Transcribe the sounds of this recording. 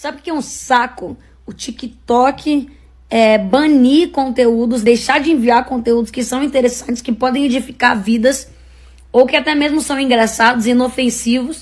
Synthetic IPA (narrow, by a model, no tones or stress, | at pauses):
sabɪɪkɛũssakʊ | ʊt͡ʃikɪt̪ɔkʰɪ | ɛbɐ̃niɾkõnt̪eud̪ʊzd̪ejʃaɾd͡ʒɪẽviaɾkõnt̪eud̪ʊskɪsɐ̃w̃ĩt̪eɾesɐ̃nt͡ʃɪ̥skɪpɔd̪ẽj̃ɛd͡ʒifikaɾvid̪ɐs | owkɪat̪ɛmezmʊsɐ̃w̃ĩŋɡɾasad̪ʊzĩnofẽsivʊs